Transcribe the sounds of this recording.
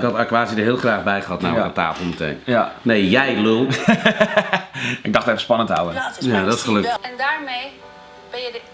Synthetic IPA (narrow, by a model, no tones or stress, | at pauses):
kɑtakʋaːsidəɦɪːlˠχraːχbɛjχəɦɑtna̰ːata̰ːfəl̩ˠmətḛjnjneːjɛjlu | ɪɡ̚dɑχtɛfəspɑnənta̰wəjadɔtɪsχəløktɛndaːɹmej | b̥ɛnjə